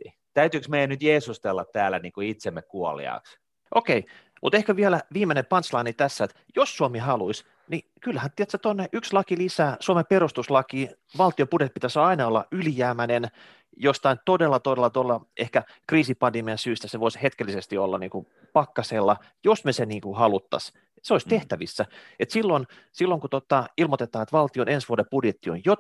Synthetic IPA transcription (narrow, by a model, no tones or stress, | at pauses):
t̪æyt̪yːˑksmeijænyt̪jeːsust̪elːɑt̪t̪æːlːæniːŋkoit̪semːekkuolḭɑ̰ks | ʔokei | mʔut̪ehkæʋiælæʋiːmːenepɑnt̪slɑinit̪æsːæet̪ | josːuomihɑluis | ni | kylːhænt̪iɛt̪set̪onːeʔykslɑkilisæːsuomeperust̪uslɑkiː | ʋɑlt̪iopudet̪̚pit̪æsɑinɑolːɑ̰yljæːmænen | jost̪ɑint̪odelːɑt̪odelːɑt̪uolːɑehkæ | kriːsipɑndemiɑnsyːst̪æseʋoishet̪kelːisest̪iolːɑ̰nḭːŋku | pɑkːɑseːlːɑ | josmeseniːŋkuhɑlut̪ːɑ̰s | seoist̪eht̪æʋisːæ | et̪silːon | silːoŋkut̪ot̪ːɑilmot̪et̪ɑːet̪ʋɑlt̪ionensʋuodepudjet̪ːio̰njo